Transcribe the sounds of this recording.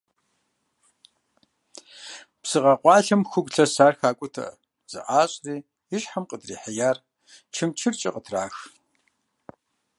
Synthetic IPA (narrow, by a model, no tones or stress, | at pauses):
psɨʁɐqʷʼɑːɬɐmxʷʊɡʷʼɬʰɐsaːrxaːkʷʼʊtʰɐ̰ | z̥ɨ̰ʔaːɕʼriː | jɪɕħamqədriːħajaːr | t͡ʃʰɨmt͡ʃʰɨrt͡ʃʼɪ̰qʼətʰraːx